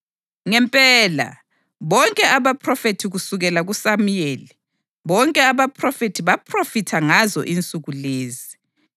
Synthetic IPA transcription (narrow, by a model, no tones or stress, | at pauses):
ŋɛmpʼɛla̰ | βɔŋkʼɛaβapʰrɔfetʰiɣusuɣɛlaɣusamujeːli | βɔŋkʼɛaβapʰrɔfetʰiβapʰrofitʰaŋazɔ̰ʔint͡sʼuɣuleːzi